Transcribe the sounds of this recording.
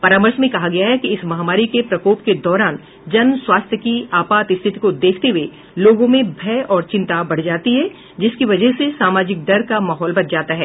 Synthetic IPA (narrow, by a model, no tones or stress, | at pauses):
pɐɾaːməɾsmẽkɐɦaɡɐjaɦɛkiɪsmɐɦaːmaːɾikepɾɐkoːpked̪ɔːɾaːn | d͡ʒɐnswaːst̪ʰjəkiaːpaːt̪ɪst̪ʰɪt̪ikod̪eːkʰt̪eɦue | loːɡõmẽbʱɛːɔːɾt͡ʃɪ̃nt̪abɐɽ̤d͡ʒaːt̪iɦɛ | d͡ʒɪskiʋɐd͡ʒəɦsesaːmaːd͡ʒɪk̚ɖɐɾkamaːɦɔːlbɐt͡ʃʰd͡ʒaːt̪aɦɛː